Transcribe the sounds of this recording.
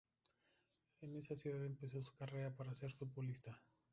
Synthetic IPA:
ene̞sasjuðaðe̞mpeso̞su̥kare̞ɾapaɾase̞ɾfut̪̚bo̞list̪a

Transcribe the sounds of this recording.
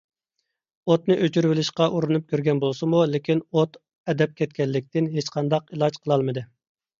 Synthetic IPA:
ot̪nɨʔøt͡ʃyɾwɪlɪʃqɑʔuɾunup̚kʲøɾɡʲɛnbolˠsɨmulɪkʲinot̪ | ɛd̪ɛp̚kʲɛt̪̚kʲɛlːɪkʲt̪ɪnɦet͡ʃqʰɑnd̪ɑqilˠɑd͡ʒqʰəlˠɑlˠmɨd̪ɨ

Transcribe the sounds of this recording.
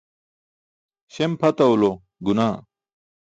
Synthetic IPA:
ɕempʰɐt̪ɐulo | ɡunaː

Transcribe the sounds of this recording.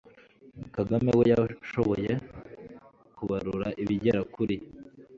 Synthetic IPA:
mukaɡame̞wejaʃo̞βo̞je̞ | kuβaɾuɾaʔiβiɟeɾakuɾi

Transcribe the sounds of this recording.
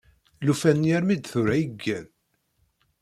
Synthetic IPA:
lufænjæɾmid̪θʊɾæjəɡːæn

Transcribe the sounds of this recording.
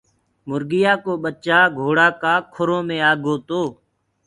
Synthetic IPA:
mʊɾɡɪjaːkoːɓət͡ʃaːɡʱoːɽaːkaːkʰʊɾõːmẽːaːɡoːt̪oː

